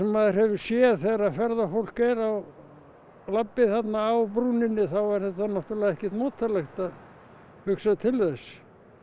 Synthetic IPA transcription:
ɛmːaðɪɾ̥hɛvʏ̥sjɛðθeɾaðfɛɾðafowl̥kejɾaw | lapːɪθat̪naːwpɾunɪnːɪθawɛɾ̥θɛt̪ːanaht̪uɾlaðɛhcɛ̥t̪moːt̪ʰːalɛxt̪að | hʏksaðt̪ʰɪlðɛs

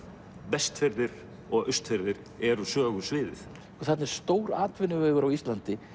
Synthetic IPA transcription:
pɛst̪fɛɾðɪɾ | ɔɣʏst̪fɛɾðɪɾ | ɛɾʏsœːɣʏsvɪːðɪ̰θ | ɔθɛt̪nɛɾ̥st̪oːwɾaːt̪vɪnʏvœːɣʏɾawist̪lant̪ɪ

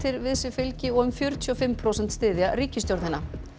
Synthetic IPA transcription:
t̪ʰɪɾvɪðsɪfɪlcɪɔɣʏmfjœːɾʏt̪ʰyɔfɪmːpʰɾowsɛnt̪st̪ɪːðjariːcɪsjowɾðnhɪnːa

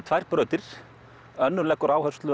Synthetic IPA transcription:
t̪ʰvajɾ̥pɾœːt̪ɪɾ̥ | œnːʏlɛkːʏɾaːwhœɾ̥st̪lʏ

